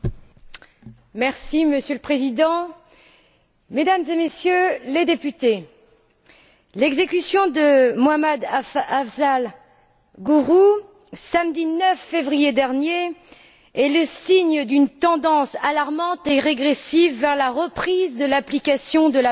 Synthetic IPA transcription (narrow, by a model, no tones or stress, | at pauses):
mɛʁsiməsjøləpχezid̪ɑ̃ | med̪amzemesjøled̪epyt̪e | lɛɡzekʲysjɔ̃d̪əmoamad̪aavzal | ɡuʁu | samd̪inœfːevʁijed̪ɛʁnje | ɛləsiɲəd̪ynt̪ɑ̃d̪ɑ̃salaʁmɑ̃t̪eʁeɡʁesivːɛʁlaʁəpχizd̪əlaplikasjɔ̃d̪əla